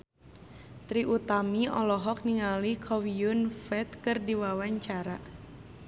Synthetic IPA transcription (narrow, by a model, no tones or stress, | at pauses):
t̪ɾiʔut̪amiɔlɔɦɔk̚niŋalikʰɔwiunfɛt̪̚kɨrdiwawaɲt͡ʃaɾa